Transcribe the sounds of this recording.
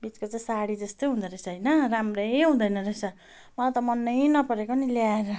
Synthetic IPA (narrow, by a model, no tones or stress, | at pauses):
bit͡skot͡sʌj̃saɽid͡zʌst̪ojɦũd̪ʌɾʌsʰʌɦʌjnʌramrejɦũd̪ʌjnʌɾesʰʌ | mʌlat̪ʌmʌnːʌjnʌpʌɾekoniljaeɾʌ